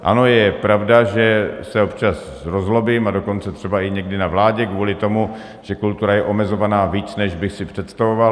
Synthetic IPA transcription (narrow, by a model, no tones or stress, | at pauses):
ʔa̰no̞jɛpɾavdaʒɛsɛo̞pt͡ʃas | ɾozɦlo̞biːmado̞ko̞nt͡sɛt̪r̝̥ɛbaɪɲɛɡdɪnavlaːɟɛkvuːlɪt̪o̞mu | ʒ̥ɛkult̪uɾajɛʔo̞mɛzo̞vanaːviːt͡snɛʒbɪxsɪpr̝̥ɛt̪st̪avova